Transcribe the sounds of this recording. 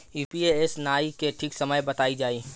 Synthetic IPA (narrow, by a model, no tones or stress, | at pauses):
juːpieesnaːikeʈʰiksɐməjbɐt̪aːid͡ʒaːi